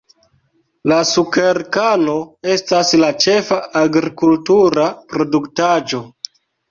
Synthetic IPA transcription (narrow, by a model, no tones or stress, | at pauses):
lasukeɾkano̞e̞staslat͡ʃe̞faaɡɾikultuɾapɾo̞duktad͡ʒo̞